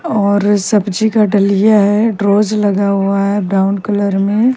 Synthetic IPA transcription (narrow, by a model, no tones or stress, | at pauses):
ɔːɾsɐbd͡ʒikaɖɐlijaɦɛɖɾoːzlɐɡaɦuaɦɛbɾaːʊnkɐləɾmẽ